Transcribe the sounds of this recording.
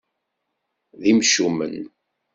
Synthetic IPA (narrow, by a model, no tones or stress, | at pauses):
ðimʃumə̰n